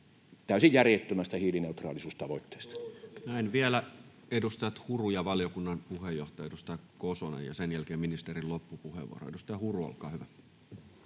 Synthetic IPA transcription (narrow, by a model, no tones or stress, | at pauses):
t̪æˑysijjærjet̪ːømæst̪æhiːlineut̪rɑ̰ːlisuːst̪ɑʋoit̪ːe̥ːst̪ɑ̥næinʋielæ | edust̪ɑjɑt̪hurujɑʋɑljokunːɑnpuhejːoht̪ɑjɑedust̪ɑjɑkosonḛjɑ̰senjælkeːminist̪erillopːupuhḛʋṵo̰ro̰edust̪ɑjɑhuruo̰lkɑ̰ːhyʋæ